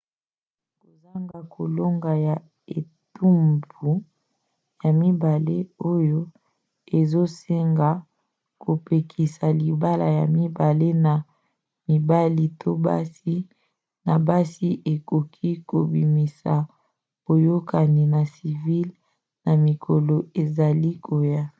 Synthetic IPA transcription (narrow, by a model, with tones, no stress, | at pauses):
ko˨za˦ŋɡa˨kʰo˨lo˦ŋɡa˨ja˨ | e˨ | tu˦mbu˨ | ja˨mi˦ba˨le˦o˦jo˦ | e˨zo˦se˦ŋɡa˨ | ko˨pe˨kʰi˨sa˨li˨ba˦la˨ja˨mi˦ba˨le˦na˨ | mi˨ba˦li˦tʰo˦ba̰˦si˦ | na˨ba˦si˦ʔe˨ko˨kʰi˦ko˨bḭ˨mi˨sa˨ | b̥o˨jo˦ka˨ni˨na˨si˨vi˦l | na˨mi˨kʰo˨lo˨e˨za˨li˦kʰo˨ja˦